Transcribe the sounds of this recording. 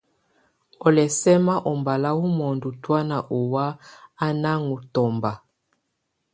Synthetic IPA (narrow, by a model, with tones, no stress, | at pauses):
ɔ˨lɛ˨sɛ˦ma˦ʔɔ˨mba˨la˦wu˦mɔ˨ndu˨twa˦na˨ʔo˨wa˦a˦na˦ŋu˨tɔ˨mba˨